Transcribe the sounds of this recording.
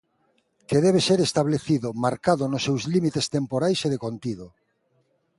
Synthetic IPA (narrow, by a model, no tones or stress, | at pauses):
keðɛβ̞eseɾest̪aβleθiðʊmaɾkaðʊnosːewzlimit̪est̪empoɾajseðekont̪iðʊ